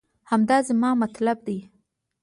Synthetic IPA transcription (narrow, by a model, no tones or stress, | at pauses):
hamd̪ɑzamɑmat̪lab̚d̪i